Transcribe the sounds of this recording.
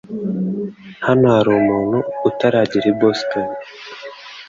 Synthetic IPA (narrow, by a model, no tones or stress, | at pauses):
hanohaɾumuːnhuːtaɾaːɟiɾiboston